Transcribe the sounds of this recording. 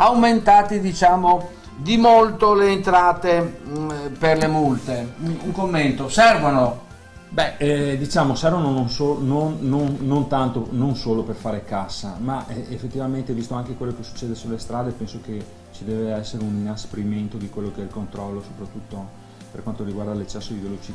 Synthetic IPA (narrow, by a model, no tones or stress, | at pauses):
awment̪aːt̪id̪it͡ʃaːmo | d̪imolt̪oleːnt̪ɾaːt̪e | perlemult̪euŋkomːent̪osɛrvono | bɛd̪it͡ʃaːmosɛrvonononsoːnːonːonːont̪ant̪ononsoːloperfaːɾekasːamaʔefːet̪ːivament̪evist̪oaŋkekwelːokesu̥t͡ʃːeːd̪esulːest̪ɾaːd̪epɛnsoke | t͡ʃid̪ɛːveɛsːeɾeuninaspeɾiment̪od̪ikwelːokeɛilkont̪ɾɔlːoso̥pɾat̪ːut̪ːo | perkwant̪oɾiɡwaɾd̪alet͡ʃːɛsːod̪ivelot͡ʃi